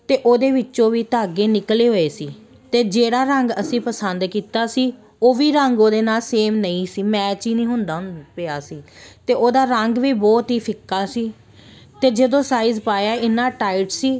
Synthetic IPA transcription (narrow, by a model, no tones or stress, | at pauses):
t̪eːʔoːd̪eːʋɪt͡ʃõːʋiːt̪aːɡeːnɪkleːɦoːeːsiː | t̪eːd͡ʒeːɽaːɾəŋɡəsĩːpəsənd̪kiːt̪aːsiː | oːʋiːɾəŋɡoːd̪eːnaːlseːmnəĩːsiːmɛːt͡ʃiːnĩːɦʊnd̪aːpeaːsiːt̪eːʔoːd̪aːɾəŋɡʋiːbɔːt̪ɦiːpʰɪkːaːsiː | t̪eːd͡ʒəd̪õːsaːiːzpaːjaːɪnːãːʈaːɪʈsiː